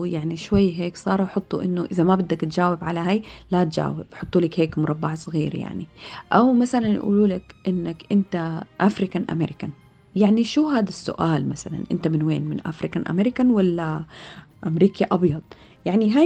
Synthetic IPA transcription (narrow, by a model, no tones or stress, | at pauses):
jaʕniʃwajːɦeːksˤɑːɾˤwħɑt̪ˤːuʔɪnːʊʔɪðamabad̪ːakt̪d͡ʒaːwɪbʕalaɦajlat̪d͡ʒa̰ːwɪ̰bħʊt̪ˤːuːlakheːkmʊɾˤɑbːɑʕsˤɣiːɾja̰ʕnḭʔawmaθalanjʔṵːluːlakʔɪnːakʔɪnt̪aʔafɾɪkanʔa̰meɾɪkan | jaʕniʃuɦaːd̪asːʊ̰ʔaːlmasala̰nʔɪ̰nt̪amɪnweːnmɪnʔa̰fɾikanʔa̰meɾɪkanwalːa | ʔamɾiːkaʔɑbjɑd̪̥ˤ | jaʕniɦa